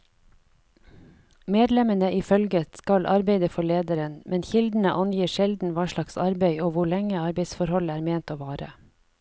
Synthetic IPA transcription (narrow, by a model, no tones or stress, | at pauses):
meːd̪lɛmənəʔɪfœlɡət̪skɑlʔɑɾbeɪd̪əfɔɭeːd̪əɾənmɛnçɪld̪n̩əʔɑnjiːʃɛld̪n̩ʋɑːʃɭɑksɑɾbeɪoːʋʊɭɛŋəɑɾbeɪsfɔɾhɔlæːɾmeːnt̪oːʋɑːɾə̰